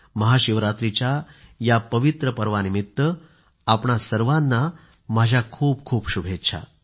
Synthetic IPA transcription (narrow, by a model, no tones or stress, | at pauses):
məɦaɕiʋɾat̪ɾit͡ɕjajapəʋit̪ɾəpəɾʋanimit̪ːʋə | apɳasəɾʋãnːa | m̤ad͡ʑʱjakʰuːpkʰuːpɕubʱet̪t͡ɕʰa̰